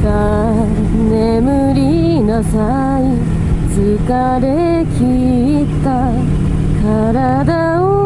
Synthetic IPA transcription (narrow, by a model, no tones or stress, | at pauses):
ka | nemɯɾʲi | nosa | i | seka | ɾe | kʲʰi | t̪a | ka | ɾa | d̪a | o